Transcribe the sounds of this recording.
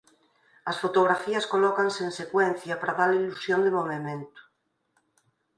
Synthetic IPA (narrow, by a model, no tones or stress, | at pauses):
ɐsfot̪oɣ̞ɾafiɐskolɔkanseːnsekwen̟θjapaɾaðaleilusjond̪emoβemẽnt̪o̥